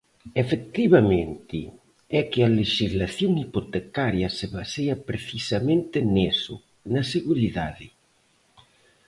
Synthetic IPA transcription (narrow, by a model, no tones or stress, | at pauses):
efek̚t̪iβamẽnt̪ḭ | ɛkɪaleʃizlaθjoŋipot̪ekaɾjɐseβaseɐpɾeθisamẽnt̪ɪnesʊ̰ | naseɣuɾiðaðɪ